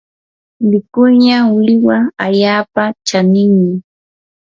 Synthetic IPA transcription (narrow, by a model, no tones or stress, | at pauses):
mɪkʊlɲaʊlɪwaaʎaːpat͡ʃanɪŋmɪ